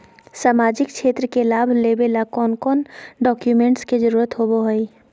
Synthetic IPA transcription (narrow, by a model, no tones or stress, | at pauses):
saːmaːd͡ʒɪk̚kʃʰeːt̪ɾəkelaːbʱleːbelakɔːnkɔːnɖɔːkjumẽːɳʈsked͡ʒəɾuːɾət̪ɦoboɦəi